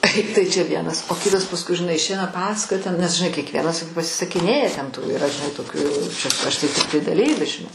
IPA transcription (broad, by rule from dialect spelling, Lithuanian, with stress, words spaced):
ˈtɐɪ tɐɪ t͡ʃʲɛ ˈʋʲiɛnɐs oː ˈkʲɪtɐs pɐsˈkʊɪ ʒʲɪˈnɐɪ ɪʃʲˈɛɪnɐ ˈpɑːsɐkoːjɛ tʲɛn nʲɛs ʒʲɪˈnɐɪ kʲiɛkˈʋʲiɛnɐs pɐsʲɪsɐˈkʲɪnʲeːjɛ tʲɛn tuː ɪˈrɐ ʒʲɪˈnɐɪ toːˈkʲuː t͡ʃʲɛ ˈɐʃ tɐɪ tʲɪkˈtɐɪ dɐˈlʲiːʋʲɪs ʒʲɪˈnɐɪ